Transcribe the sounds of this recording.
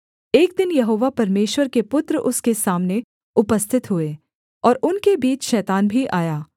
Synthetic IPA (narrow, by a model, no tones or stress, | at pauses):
eːk̚d̪ɪnjɐɦoːʋapɐɾmeːʃwəɾkepʊt̪ɾəʔʊskesaːmne | ʊpəst̪ʰɪt̪ɦʊe | ɔːɾʊnkebiːt͡ʃʃɛːt̪aːnbʱiʔaːjaː